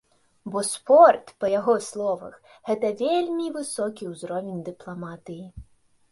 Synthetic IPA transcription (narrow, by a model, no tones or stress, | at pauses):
bɔspɔrt̪pɐjaɣɔslˠɔvɐ̰xɣɛt̪ɐvʲelʲmʲivɨsɔkʲiwzɾɔvʲinʲd̪ɨplˠamat̪ɨji